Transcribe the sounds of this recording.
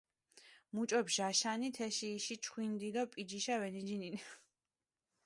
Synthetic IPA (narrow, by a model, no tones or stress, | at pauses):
mut͡ʃʼɔpʒ̥aʃanit̪ʰɛʃiːʃit͡ʃʰχwind̪id̪ɔpʼid͡ʒiʃavɛnid͡ʒinini